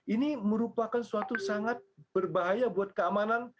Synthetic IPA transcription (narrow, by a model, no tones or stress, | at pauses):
ʔiniməɾupakansuat̪usaŋat̪̚bərbaɦajabuat̪̚kəamanan